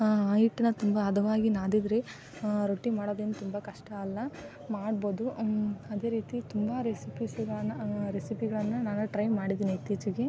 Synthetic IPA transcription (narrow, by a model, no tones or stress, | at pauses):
aːjiʈːinɐt̪umbɐːd̪ʱɐʋaːɡinaːd̪id̪ɾe | ɾoʈːimaːɽod̪enut̪umbɐkɐʂʈɐːlːɐ | maːɖboːd̪uɐd̪e̞ːɾiːt̪it̪umbɐɾesipisɡɭɐɐɾesipiɡɐɭɐnːɐnaːnuʈɾɐjmaːɽid̪iːnit̪ːiːt͡ʃuɡe